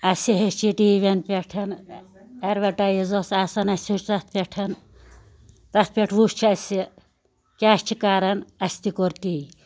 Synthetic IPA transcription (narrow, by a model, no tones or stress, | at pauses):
ɐsʲiɦet͡ʃiʈiːʋenpʲeʈʰɐn | eɾʋɐʈɐjizosaːsɐnɐsʲit͡ʃt̪ɐt̪̚ʰpʲeʈʰɐn | t̪ɐt̪̚ʰpʲeʈʰʋuʃt͡ʃʰɐsʲi | kʲaːst͡ʃʰikaɾɐnɐsʲt̪ikoɾt̪i